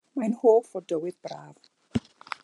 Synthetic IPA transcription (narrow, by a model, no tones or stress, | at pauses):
majnhoːfɔdəwɪðbraːv